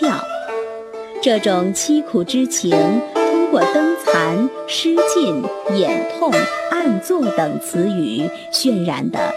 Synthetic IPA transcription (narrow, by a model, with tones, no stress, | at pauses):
t̪jɑ˥˩ʊ | ʈ͡ʂɤ˥˩ʈ͡ʂʊ˨˩ŋt͡ɕʰi˥kʰu˨˩ʈ͡ʂɻ̩˥t͡ɕʰi˧˥nt̪ʰʊ˥ŋkwɔ˥˩t̪ɤ˥ŋt͡sʰa˧˥nʂɻ̩˥t͡ɕi˥˩njɛ˨˩nt̪ʰʊ˥˧ŋa˥˧nt͡swɔ˥˩t̪ɤ˨˩ŋt͡sʰɹ̩˧˥y˨˩˦ | ɕɥɛ˥˧nɻa̰˧˥nd̪ə̰˧